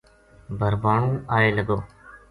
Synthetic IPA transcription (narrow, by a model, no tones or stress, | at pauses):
bʱəɾbaːɳũːaːjeːlɐɡoː